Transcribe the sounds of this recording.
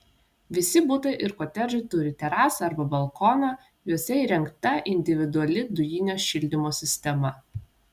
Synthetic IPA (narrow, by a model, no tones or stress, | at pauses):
ʋʲɪsʲɪbʊt̪ɐɪʔɪɾkoːt̪ʲɛʒɐɪt̪ʊɾʲɪt̪ʲɛɾɑːsɐɐɾbɐbɐlˠkɔːnɑ | juɔsʲɛiːɾʲɛŋkt̪ɐʔɪnʲd̪ʲɪʋʲɪd̪ʊɐlʲɪd̪ʊjinʲoːʃʲɪlʲd̪ʲɪmoːsʲɪsʲt̪ʲɛmɐ